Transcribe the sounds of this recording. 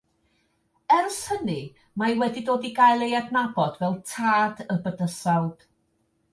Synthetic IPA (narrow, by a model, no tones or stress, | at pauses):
ɛrshənɨ | majwɛdidoːdiɡajlˠejadnabɔdvɛlˠtʰaːdəbədəsawd̥